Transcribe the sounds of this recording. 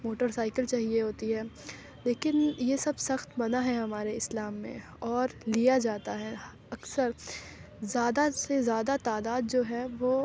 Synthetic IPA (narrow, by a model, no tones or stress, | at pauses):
moːʈəɾsaːɪkəlt͡ʃaːɦieɦoːt̪iɦɛː | leːkɪnjesɐbsɐxt̪bɐnaɦɛɦɐmaːɾeɪslaːmːḛ̃ | ɔːɾlijad͡ʒaːt̪aɦɛ | ɐksəɾ | zjaːd̪asezjaːd̪at̪aːd̪aːd̪̚d͡ʒoːɦɛʋoː